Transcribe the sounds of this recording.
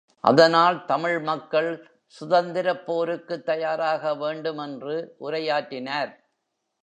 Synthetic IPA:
ʔɐ̰ðɐnaːlt̪ɐmɪɻmɐkːɐɭ | sʊðɐnd̪ɪɾɐpːoːɾɯkːɯt̪ːɐjaːɾaːɣɐʋeːɳɖɯmɛndrɯʔʊɾɐjaːʈːɪnaːɾ

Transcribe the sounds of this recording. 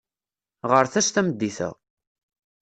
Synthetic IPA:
ʁəɾθæʃt̪æməd̪ːiθə̰ʁ

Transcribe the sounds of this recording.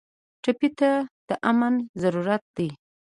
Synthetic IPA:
ʈapit̪ad̪̥əʔamanzaɾuɾat̪̚d̪i

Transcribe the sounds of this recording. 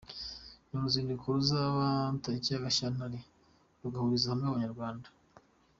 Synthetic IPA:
nonuziːndikuɾuzaβantaɾicaaɡaʃanaɾi | βuɡahuɾizahamŋeuβaɲaɾɡwaːndḁ

